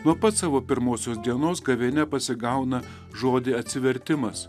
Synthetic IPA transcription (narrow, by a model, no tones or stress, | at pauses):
nuɔpɐt̪sɑːʋoːpʲɪɾmoːsʲoːsd̪ʲiɛnoːsɡɐʋʲɛnʲɛpɐsʲɪɡɐʊnɐ | ʒoːd̪ʲɪɐt̪ʲsʲɪʋʲɛɾʲt̪ʲɪmɐs